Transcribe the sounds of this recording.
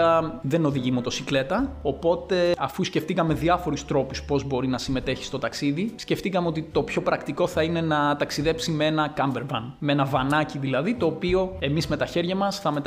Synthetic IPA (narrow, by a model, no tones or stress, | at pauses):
ɐðe̞no̞ðiʝimot̪o̞sikle̞t̪ɐo̞po̞t̪e̞ɐfusce̞ft̪ikɐme̞ðiɐfo̞ɾust̪ɾo̞puspo̞zbo̞ɾinɐsime̞t̪e̞çi̥st̪o̞t̪ɐksiðisce̞ft̪ikɐmeo̞t̪it̪o̞pço̞pɾɐkt̪iko̞θɐine̞nɐt̪ɐksiðe̞psimeenɐkɐmbe̞ɾvɐnmee̞nɐvɐnɐciðilɐðit̪o̞ːpio̞e̞mizme̞t̪ɐçe̞ɾʝɐmɐsθɐme̞t̪